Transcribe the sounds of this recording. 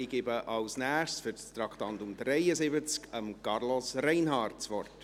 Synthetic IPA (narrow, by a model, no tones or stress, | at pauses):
ɪɡ̥ɪbəʔɑwsnæːχtsfʏɾstɾɑkʰtɑntʊmdɾɛjəsɪbət͡skəmkɑrlɔsrɛɪnɦɑːrtt͡sʋɔrt